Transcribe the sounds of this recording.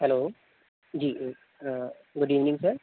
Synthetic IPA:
hɛloː | d͡ʒiː | ɡʊɖiːʋnɪ̃ŋsəɾ

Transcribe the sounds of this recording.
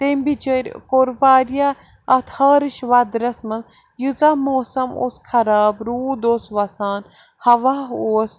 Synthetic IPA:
t̪embid͡ʒəɾʲkoɾʋaːɾija | ɐt̪hɐːɾɨʃʋad̪ɾɐsmɐl | jɨzamoːsɐmo̰skʰɐɾaːbɾuːd̪oːsʋɐsaːn | hɐʋaːɦoːs

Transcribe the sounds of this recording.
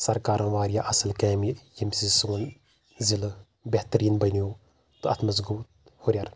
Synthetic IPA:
sɐɾkaːɾɐ̃ːʋaːɾijaːʔɐsɐlkɛːmijimsisuːn | zil | beht̪ɐɾiːnbɐnijoː | t̪uɐt̪ʰmɐzɡuːt̪̚ | hoɾʲjaɾ

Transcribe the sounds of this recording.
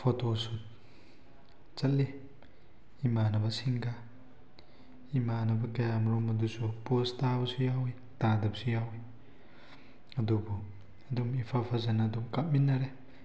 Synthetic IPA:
pʰotosut̚ | t͡ʃɐtli | imanɐbɐsiŋɡa | imanɐbɐkɐjamɾɔmɐdusupostabɐsujawi | tadɐp̚sujawi | ɐd̪ubɔ | ɐd̪umipʰapʰazanadumkap̚minːaɾe

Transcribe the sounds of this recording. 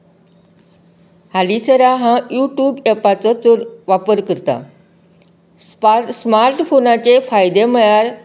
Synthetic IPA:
halisəɾaɦãjuʈjuːbɛpat͡sɔt͡soɾʋapəɾkəɾt̪a̰ | smaɾʈfonat͡ɕefajd̪eməjaɾ

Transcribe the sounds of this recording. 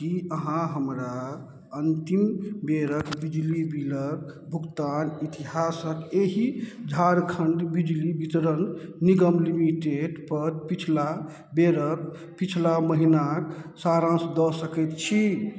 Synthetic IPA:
kiəɦãɦəmɾa | ənt̪imbeɾəkbid͡ʒlibiləɾ | bʱukt̪anit̪iɦasək̪eɦid͡ʒʱaɾkʰəɳɖbid͡ʒlibit̪ɾənːiɡəmlimiʈeɖpəɾpit͡ʃʰla | beɾək̚ | pit͡ʃʰlaməɦinaksaɾãsd̪ɔsəkɛt̪t͡ʃʰi

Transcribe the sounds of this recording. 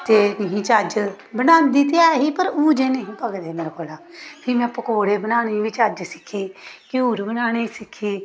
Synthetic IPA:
t̪eːkəɦĩːt͡ʃəd͡ʒ | bənãːnd̪iːt̪eaːɦiːpəɾuːd͡ʒeːnəɦĩːpəɡd̪eːmeːɾakoːlaː | pʰɪmɛ̃ːpəkoːɽeːbənaːɽ̃iːʋɪt͡ʃəd͡ʒsɪ̥kʰːiːkɪuːɾbənaːɽ̃iːsɪkʰːiː

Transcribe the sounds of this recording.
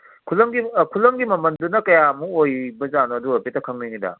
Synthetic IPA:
kʰulɐŋɡikʰulːɐŋɡimɐmɐndunɐkɐjamuojbɐzanoɐduɐpetɐkʰɐŋninidɐ̰

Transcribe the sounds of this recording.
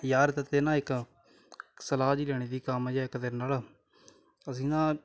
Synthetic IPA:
jaːɾt̪ət̪eːnãːɪk | səlaːd͡ʒiːlɛːɽ̃eːd̪iːkaːmːd͡ʒɛːkəd̪əɾnaːl | əs̬ĩːnãː

